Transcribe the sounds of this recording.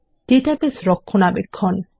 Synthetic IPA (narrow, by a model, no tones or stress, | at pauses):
ʈeʈapesɾɔkʰːonabekʰːɔn